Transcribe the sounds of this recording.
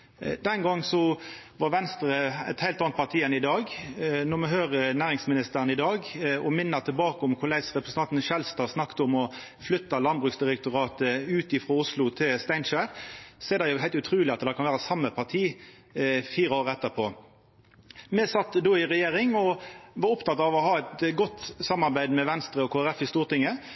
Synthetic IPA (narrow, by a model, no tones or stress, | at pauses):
d̪ɛnɡɑŋːsɔ | ʋɑɾʋɛnst̪əɾəɛ̰t̪hæɪlt̪ɑnt̪̚pʰɑʁt̪ʰiːɛnɪd̪ɑːɡnɔɾmɛɦøːʁənæːʁɪŋsmɪnɪst̪əɾənɪd̪ɑːɡɔmɪnːɑt̪ʰɪlbɑːkəʊmkʰʊlæɪsʁɛpʰɾəsə̥nɑnt̪n̩ʃɛlst̪ɑːsnɑkt̪əʊmɔ | flʏt̪ːɑlɑnbʁʉksd̪ɪʁɛk̚t̪ʊɾɑːt̪əʉːt̪ɪfɾɑʊslʊt̪ʰɪlst̪æɪnʃæʁsɛːd̪ɛjʊɦæɪlt̪ʉt̪ʰɾʉːlɪɑt̪d̪ɛkʰɑnʋæːɾəsɑmːəpʰɑʁt̪ʰiː | fiːʁəoːʁəɛt̪ːəɾpʰoː | mɛsɑt̪ːd̪oːɪʁɛjeːʁɪŋɔʋɑɾʊpt̪ʰɑt̪ːɑʋɔɦɑːɛt̪ɡɔt̪ːsɑmːɑʁbæɪd̪mɛʋɛnst̪ɾəɔkʰoːæɾɛfɪst̪uːʁt̪ɪŋːə